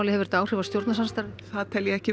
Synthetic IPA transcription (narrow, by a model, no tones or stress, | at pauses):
wlɪhɛvɛɾt̪aːwr̥ɪvast̪jowɾt̪nasanst̪aɾðɪ̥θaðt̪ʰɛljɛɛcɪ